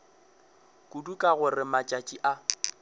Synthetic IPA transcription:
kʼudukʼaɣʊrɪmat͡ʃʼat͡ʃʼiʔa

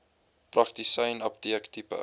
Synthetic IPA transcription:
prɐktisɛjnɐptiəktipə̰

